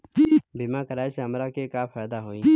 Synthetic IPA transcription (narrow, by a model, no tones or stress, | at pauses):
biːmãːkəɾaːiseɦəmɾaːkeːkaːpʰaːjd̪aːɦoːĩː